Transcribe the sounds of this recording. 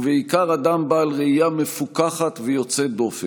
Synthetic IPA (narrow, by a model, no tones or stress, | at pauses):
veikaʁad̪ambaːlʁeijame̞fukaχat̪vejo̞t͡sed̪o̞fe